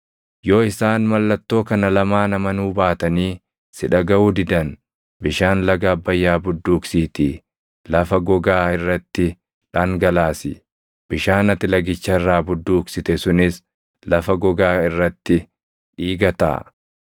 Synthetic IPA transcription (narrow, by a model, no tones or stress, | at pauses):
jo̞ːɪsaːnmɐlːɐt̪ːo̞ːkɐnɐlɐmaːnɐmɐnuːbaːt̪ɐniː | sɪᶑɐɡɐuːd̪ɪd̪ɐn | bɪʃaːnlɐɡaːbːɐjːaːbʊd̪ːuːksiːt̪ɪ | lɐfɐɡɔɡaːɪrːɐt̪ːɪ | ᶑaŋɡɐlaːsɪ̰ | b̥ɪʃaːnɐt̪ːɪlɐɡɪt͡ʃːɐɪrːaːbʊd̪ːuːksɪt̪ɛsʊnɪs | lɐfɐɡɔɡaːɪrːɐt̪ːɪ | ᶑiːɡɐt̪a̰ː